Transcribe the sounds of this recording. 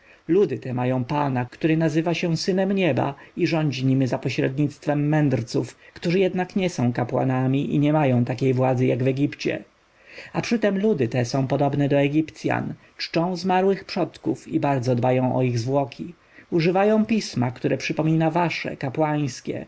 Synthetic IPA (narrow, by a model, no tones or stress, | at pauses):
lud̪ɘt̪ɛmajɔ̃w̃panakt̪uɾɘnazɘvaɕɛ̃sɘnɛmɲɛba̰iʐɔɲd͡ʑiɲimzapɔɕɾɛ̰d̪ɲit̪st̪fɛmːɛnd̪ɾt̪sufkt̪uʐɘjɛd̪nakɲɛsɔ̃w̃kapwa̰namʲiʔḭɲɛmajɔ̃w̃t̪akʲejvwad̪zɘjaɡvɛɡʲipt͡ɕɛ̰ | apʂɘt̪ɛmlud̪ɘt̪ɛsɔ̃w̃pɔd̪ɔbnɛd̪ɔɛɡʲipt̪sʲja̰n | t͡ʂt͡ʂɔ̃w̃zmaɾwɘxpʂɔt̪kufibaɾd̪zɔd̪bajɔ̃w̃ʔɔ̰iɣzvwɔkʲʰi | uʐɘvajɔ̃w̃pʲismakt̪uɾɛpʂɘpɔmʲinavaʂɛ̰kapwaj̃skʲɛ̰